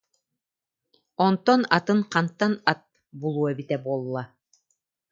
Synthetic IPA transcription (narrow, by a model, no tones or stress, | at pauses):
ɔnt̪ɔna̰t̪ɯŋqant̪ːanat̪̚ | bulˠuɔɛbit̪ɛbuɔlˠːa